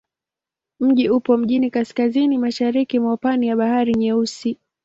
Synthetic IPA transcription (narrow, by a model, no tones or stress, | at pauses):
m̩ʄiupɔm̩ʄinikaskazinimaʃaɾikimaupanijaɓahaɾiɲɛusi